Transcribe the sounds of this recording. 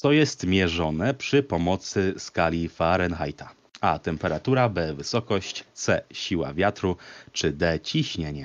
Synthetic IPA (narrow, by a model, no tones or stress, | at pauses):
tt̪ɔjɛst̪mʲjɛʐɔnɛpʂɘpɔmɔt̪sɘskalʲifaɾɛnxajt̪a | at̪ɛmpɛɾat̪uɾabɛvɘsɔkɔɕt͡ɕt̪sɛɕiwa̰vʲjat̪ɾut͡ʂɘd̪ɛt͡ɕiɕɲeɲɛ